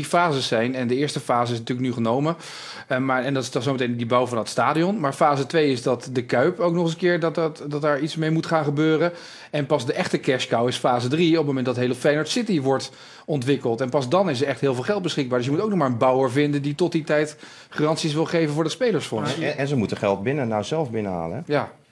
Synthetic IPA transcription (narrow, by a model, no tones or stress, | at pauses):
difaːzəɛjnɛndəɪːɹstəfaːzəɪs̬natyːɹlək̚nyχənowmə | maːɹɛndtɪdɑsowmətejndibawvɑndətstaːdiɔnmaːɹfaːzətʋejɪzdɑtdəkœɥpowk̚nɔχəənkɪːɹddɑt̚daːɹitsmejmutχaːnχəbøːrə | ɛnpɑzdəʔɛχtəkɛʃkawɪsfaːzədriɔpmowmɛndɑtɦejlˠəfɛjnɔɹtsɪtiʋɔɹt | ɔntʋɪkəlˠtɛnpɑzdɑnɪs̬əɹɛχtɦɪːlˠvɪːlˠχɛlˠt̚bəsχɪɡ̚baːɹdɵs̬jəmutowknɔχmaːɹənbʌwəɹvɪndənditɔt̚ditɛjt | χarɑntsisʋɪlˠχejvənvʊːɹdɑtspejləɹsfɔnsɛnzəmutəχɛlˠt̚bɪnənːawzɛlˠvbɪnəɦa̰ːləɛjaː